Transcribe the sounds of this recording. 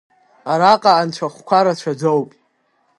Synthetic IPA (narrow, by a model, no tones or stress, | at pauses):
aɾaqʼaːnt͡ɕʷʰaχʷkʷʰaɾat͡ʃʷʰad͡zowpʼ